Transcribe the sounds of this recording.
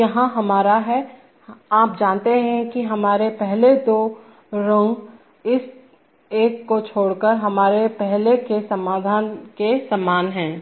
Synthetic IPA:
jɐɦãɦɐmaːɾaɦɛ | aːp̚d͡ʒãːnt̪eɦɛ̃kiɦɐmaːɾepɛɦled̪oː | ɾʊ̃ŋɡ | ɪs | eːkːot͡ʃʰoːɽkəɾɦɐmaːɾepɛɦlekesɐmaːd̪ʱaːnkesɐmːaːnɦɛ̃ː

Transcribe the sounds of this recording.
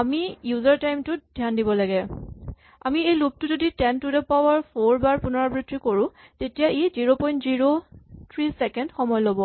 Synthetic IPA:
amijuzaɹtajmtʊdʱjandibɔlaɡɛ | a̰miejluk̚tʊzoditɛntudɛpawaɹpʰoɹbaɹpunɔɹabɹitʰɹikoɹʊ̃ | tetijaʔeziɹopɔj̃ntziɹotʰɹisɛkɛndxɔmɔjlobɔ

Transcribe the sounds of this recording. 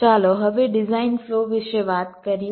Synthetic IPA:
aːloɦɐʋeɖɪzaːɪnfloːʋɪʃeʋaːt̪kɐɾij

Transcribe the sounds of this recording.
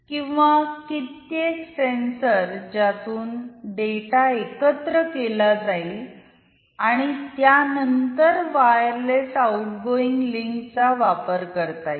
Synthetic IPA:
kĩw̃ʋakit̪jeksensəɾd͡ʑat̪uːnɖeʈaekət̪ɾəkelad͡zai | aɽ̃it̪janənt̪əɾʋajəɾlesauʈɡoiŋɡliŋkt͡saʋapəɾkəɾt̪aj

